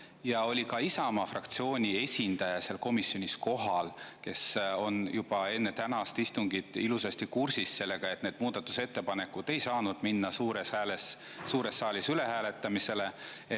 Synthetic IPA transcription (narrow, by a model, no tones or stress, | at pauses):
jɑo̞lʲikɑisɑmɑfrɑkt̪sio̞ːnʲie̞sʲind̪̥ɑjɑse̞lko̞misːo̞nʲisko̞ɦɑlke̞so̞njub̥ɑe̞nːe̞t̪ænɑst̪ist̪uŋɡid̪̥ˑilusɑst̪ikursisːe̞lːe̞ɡ̥ɑe̞t̪ːˑne̞ːd̪̥muːd̪̥ɑt̪ːˑu̥se̞t̪ːe̞pɑne̞kːud̪e̞jsɑːnud̪̥minːɑsuːɾeshæːlesː | uːɾe̞sːɑːlʲisyle̞hæːle̞t̪ːˑɑmise̞le̞e